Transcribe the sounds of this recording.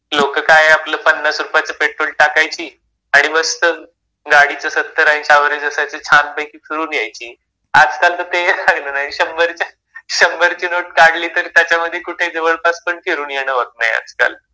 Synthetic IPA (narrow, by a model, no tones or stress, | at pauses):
lokəkajeapləːpənːəsɾupat͡səpeʈɾolʈakajt͡ɕiː | aɽ̃iʋəst̪ə | ɡaɽit͡səsət̪ːəɾaj̃it͡ɕaʋəɾed͡zəsat͡sət͡ɕʰanpəjkiːfʰiɾuːnjajt͡ɕiː | ad͡zkalt̪ət̪elaɡnənaɦiɕəmbəɾt͡ɕja | ɕəmbəɾt͡ɕiːnoʈ̚kaɽliːt̪əɾiːt̪jat͡ɕjaməd̪ʱːjekuʈʰed͡zeʋəɭpaspəɳkeɾuːnjeɽ̃əʋək̪̚na̰ɦja̰d͡zka̰l